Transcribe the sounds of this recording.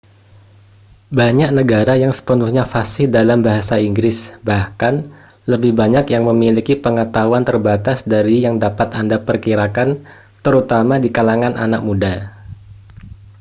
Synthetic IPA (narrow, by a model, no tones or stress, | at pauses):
baɲak̚nəɡaɾajaŋsə̥pənuhɲafasɪdalambaɦasaiŋɡɾɪsbahkan | ləbɪhbaɲakjaŋməmilikipəŋət̪auant̪ərbat̪asdaɾijaŋdapat̪andapərkiɾakan | t̪əɾut̪amadikalaŋanʔa̰nak̚muda